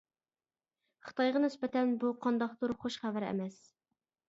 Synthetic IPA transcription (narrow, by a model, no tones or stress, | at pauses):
χə̥t̪ʰɑjʁɑnɪspɛt̪ʰɛnbuqʰɑnd̪ɑχt̪uɾχoʃχævæɾɛ̰mɛs